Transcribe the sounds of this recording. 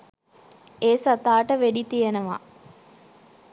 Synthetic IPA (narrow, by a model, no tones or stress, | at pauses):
eːsat̪aːʈəʋeɖit̪ijenəʋa̰